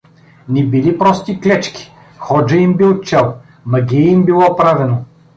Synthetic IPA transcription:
nɛbilipɾɔst̪iklɛt͡ʃkʲi̥ | xɔd͡ʒɐimbilˠt͡ʃɛlˠ | mɐɡʲiɛimbilˠɔpɾavɛno

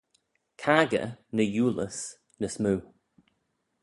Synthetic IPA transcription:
kʰaːɡə̰nəjuːlə̰s | nəsmuː

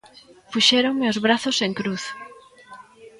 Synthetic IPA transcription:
fuʃɛɾoŋmeozβɾaθoseŋkɾuθ

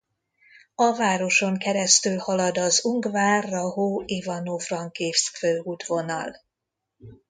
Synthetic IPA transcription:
ɒvaːɾo̞ʃo̞ŋkɛɾɛst̪ylhɒlɒd̪ɒzuŋɡvaːrːɒɦoːivɒnovrɒŋkeːfskføːud̪vo̞nɒ̰l

